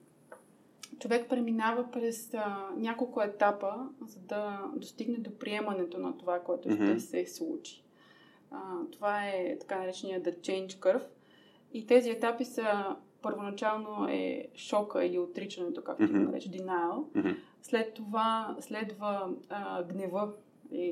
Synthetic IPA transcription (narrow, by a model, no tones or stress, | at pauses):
t͡ʃovɛkpɾɛminavəpɾɛsnʲjakolˠkʊɛt̪apəzɐd̪ɐd̪ost̪iɡnɛd̪opɾiɛmɐnɛt̪onɐt̪ovakoɛt̪oʃt̪ɛfsɛslˠut͡ʃi̥ | t̪ovaɛt̪ɐ̥kanɐɾɛt͡ʃɛnijəd̪ɐt͡ʃɛjnt͡ʃkɤɾf | it̪ɛziɛt̪apisəpəɾvonɐt͡ʃalˠnoɛ̰ʃɔkə̰iliot̪ɾit͡ʃɐnɛt̪oka̰kt̪oiɡ̪o̰nɐ̰ɾɛ̰t͡ʃəd̪inalˠ | slɛt̪ːovaslɛd̪və | ɡnɛvɤ | li